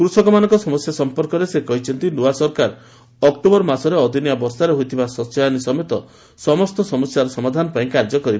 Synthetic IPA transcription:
kɾusɔkɔmanɔŋkɔsɔmɔsjasɔmpɔɾkɔɾesekɔɦit͡ʃʰɔnt̪inoasɔɾkaɾ | ɔk̚ʈubɔɾmasɔɾeɔd̪ʱinjabɔɾsaɾeɦojt̪ʰibasɔsajanisɔmet̪ɔ | sɔmɔst̪ɔsɔmɔsjaɾɔsɔmad̪ʱanɔpaĩkaɾd͡ʒɔkɔɾib

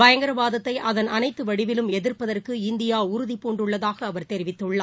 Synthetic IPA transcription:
bɐjɐŋɡɐɾɐʋaːðɐt̪ːɐɪʔɐðɐnɐnɐɪt̪ːɯʋɐɽɪʋɪlɯmɛðɪrpɐðɐrkɯɪnd̪ɪjaːʊɾʊðipːuːɳɖɯɭːɐðaːɣɐːʋɐɾt̪ɛɾɪʋɪt̪ːɯɭːaː

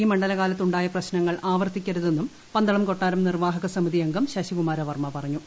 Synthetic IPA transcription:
iːmɐɳɖɐlɐɣaːlɐt̪ːuɳɖaːjɐprɐɕnɐŋːɐɭʔaːʋɐrt̪ikʲːɐɾuðe̞nːum | pɐnd̪ɐɭɐmko̞ʈːaːɾɐmnirʋaːɦɐɣɐsɐmiðijɐŋɡɐmɕɐɕikumaːɾɐʋɐrmɐpɐrɐɲːu

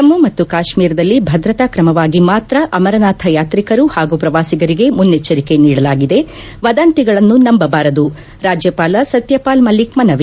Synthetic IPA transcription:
ɐmːumɐt̪ːukaːʃmiːɾɐd̪ɐlːibʱɐd̪ɾɐt̪akɾɐmɐʋaːɡimaːt̪ɾɐʔɐmɐɾɐnaːt̪ʰɐjaːt̪ɾikɐɾuhaːɡupɾɐʋaːsiɡɐɾiɡe̞munːet͡ʃːɐɾike̞niːɽɐlaːɡid̪e̞ | ʋɐd̪ɐnt̪iɡɐɭɐnːunɐmbɐbaːɾɐd̪u | ɾaːd͡ʒjɐpaːlɐsɐt̪jɐpaːlmɐlikmɐnɐʋi

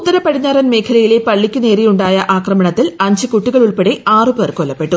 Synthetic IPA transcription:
ut̪ːɐɾɐpɐɽiɲːaːɾɐnme̞ːkʰɐlɐjile̞pɐɭːikʲːune̞ːɾijuɳɖaːjɐʔaːkrɐmɐɳɐt̪ːilɐɲd͡ʑɨkuʈːiɣɐɭuɭpeɽeʔaːrɨperkolːɐpːe̞ʈːu

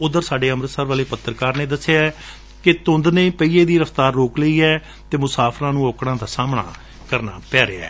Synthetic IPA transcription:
ʊd̪əɾsaːɖeːəmɾəsəɾʋaːleːpət̪ːɾkaːɾneːd̪əsːeaː | kɪt̪ʊnd̪neiːpəiːeːd̪iːɾəft̪aːɾːoːkləiːɛː | t̪eːmʊsaːpʰɾãːnũːoːkɽãːd̪aːsaːmɳa̰ː | kəɾna̰ːpɛːɾḛa̰ː

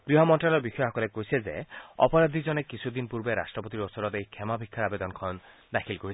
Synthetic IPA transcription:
ɡ̥ɾiɦɔmɔnʈɾalɔɾbixʰɔjɔɦɔkɔlekoɦisezḛɔ̰pɔɾad̪ʱid͡ʒɔnekisʰud̪inpuɾbeɾa̰sʈɾɔpɔt̪iɾɔsɔɾɔt̪ejkʰemabʱikʰːaɾabed̪ɔnkʰɔn | d̪akʰilkoɦisʰi̥

